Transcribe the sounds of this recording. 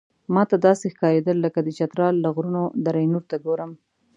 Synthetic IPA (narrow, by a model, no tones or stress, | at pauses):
mɑt̪ad̪ɑsexkɑɾed̪əlːəkad̪ət͡ʃat̪ɾɑlːaɣɾunod̪aɾajnuɾt̪aɡoɾəm